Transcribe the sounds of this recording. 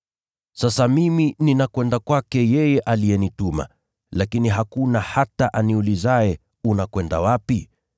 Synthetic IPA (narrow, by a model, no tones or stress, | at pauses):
sasamimininakwɛndakwakɛjɛjɛʔalijɛnituma̰ | lakiniɦakunahataʔaniulizaɛ | unakwɛnda̰wapi